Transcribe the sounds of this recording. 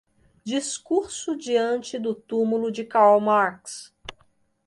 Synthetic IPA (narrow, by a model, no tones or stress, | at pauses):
d͡ʒiskuɾsʊd͡ʒiɐ̃nt͡ʃɪd̪ʊt̪umulʊd͡ʒɪkawmaɾks